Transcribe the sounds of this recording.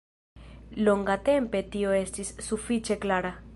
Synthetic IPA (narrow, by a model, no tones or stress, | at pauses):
loŋɡate̞mpe̞tio̞e̞stisːufit͡ʃe̞klaɾa